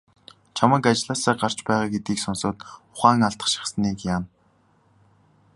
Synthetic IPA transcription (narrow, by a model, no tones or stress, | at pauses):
t͡ɕʰamə̆kat͡ɕɮaːsaːɢar̥t͡ɕpæːʁaːɡet̪iːksʊnsʊ̆ːt̪ʊ̥χaːŋaɬt̪ə̥̆χʃɪ̥χsniːkjaːn